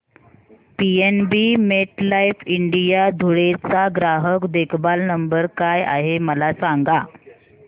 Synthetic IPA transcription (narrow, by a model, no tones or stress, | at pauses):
pienbimeʈlaifiɳɖijad̪ʱuɽet͡saɡɾaɦəkd̪ekʰbalnəmbəɾkaja̰ɦeməlasaŋɡa